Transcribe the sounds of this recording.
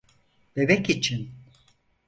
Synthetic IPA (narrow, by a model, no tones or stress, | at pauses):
b̥ebɛkit͡ʃʰin